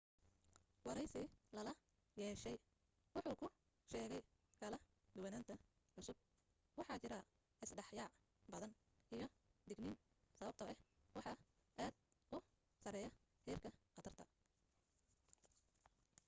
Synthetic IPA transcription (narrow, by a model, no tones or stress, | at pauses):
wɑɾɛjsɪlɐlɐ | jɛːʃɛj | wɑħuːkʰʊ | ʃɛːɣɛj | kʰɐlɐ | d̪ʊwɐnaːnt̪ʰɐ | ʕʊsʊb̚ | wɑħɑːt͡ʃɪɾɐ | ʔɪsɖɑħjɑːʕ | bɐðɐn | ʔijɞd̪ɪɡniːn | sɐβɐb̚t̪ʰɐʔɛhwɑħɑ | ʔaːd̪ʊ | sɐɾɛːjɐ | hɛːrkʰɐqɐt̪ʰɐrt̪ʰɐ